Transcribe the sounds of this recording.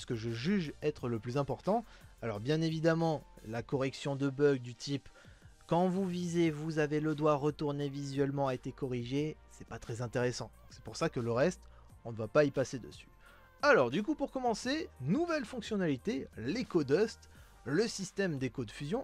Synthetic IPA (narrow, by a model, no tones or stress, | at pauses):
skəʒəʒyʒɛt̪χələplyzɛ̃pɔʁt̪ɑ̃ | alɔʁbjɛ̃nevid̪amɑ̃lakɔʁɛksjɔ̃d̪əbœɡd̪yt̪ʰip | kɑ̃vuvizevuzaveləd̪waʁət̪uʁnevizɥɛlmɑ̃aet̪ekɔʁiʒesɛpat̪χɛzɛ̃t̪eʁesɑ̃d̪ɔ̃ksɛ̥puʁsakələʁɛst̪ | ɔ̃nəvapaipased̪ə̰sy̥ | alɔʁd̪yk̬upuʁkɔmɑ̃senuvɛlfɔ̃ksjɔnalit̪elekɔd̪ɔst̪ | ləsist̪ɛmd̪ekod̪əfyzjɔ̃